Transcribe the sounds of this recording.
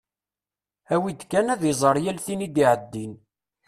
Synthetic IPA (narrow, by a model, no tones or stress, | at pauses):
æwid̪kːænæðizˤəɾˤjælθinid̪iʕəd̪ːin